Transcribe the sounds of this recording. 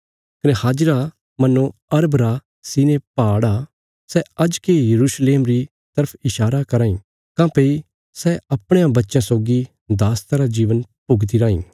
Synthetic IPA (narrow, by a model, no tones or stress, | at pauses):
kɐnɛhaːd͡ʒɾa | mɐnːõɐɾbɾa | siːnepaːɽa | sɛɐd͡ʒkejɐɾuːsleːmɾi | t̪ɐɾpʰɪʃaːɾakɐɾãːĩ | kãːpeːi | sɛɐpɽ̃ejãbɐtːʃãsoːɡi | d̪aːst̪aɾad͡ʒiːʋənpʊɡt̪̬iɾãːḭ̃ː